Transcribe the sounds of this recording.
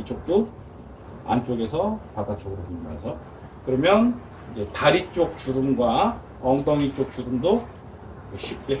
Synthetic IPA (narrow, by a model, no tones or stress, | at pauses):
it͡ɕ͈ok̚t͈o | a̰nt͡ɕ͈oɡe̞sʰʌpadat͡ɕ͈oɡɯɾopomasʰʌ | kɯɾʌmjʌn | id͡ʑe̞taɾit͡ɕ͈ok̚t͡ɕudɯmɡwa | ʌŋdʌŋit͡ɕ͈ok̚t͡ɕudɯmdo | kɯɕʰip̚t͈e